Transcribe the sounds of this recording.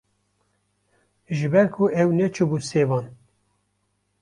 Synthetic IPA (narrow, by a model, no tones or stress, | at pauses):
ʒɨbɛɾkʰuɛwnɛt͡ʃʰubuːseːvɑːn